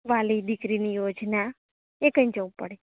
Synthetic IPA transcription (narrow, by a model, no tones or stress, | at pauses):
ʋalid̪ikɾinijod͡ʒna | ekəĩd͡ʒəʋũpə̰ɽe